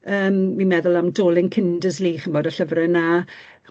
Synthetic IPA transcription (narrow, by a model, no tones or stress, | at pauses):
əːmːinmɛðʊlˠamdoːlˠɪŋkʰɪndəzliːχənboːdəɬəvrɛna